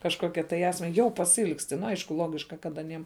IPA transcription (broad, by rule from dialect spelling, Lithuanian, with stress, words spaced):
kɐʃˈkoːkʲɛ tɐɪ ˈæːsʲmʲɛ ˈjɛʊ pɐsʲɪˈɪlˠksʲtʲɪ ˈnʊ ˈɐɪʃkʊ ˈlˠoːɡʲɪʃkɐ kɐt ɐˈnʲiɛm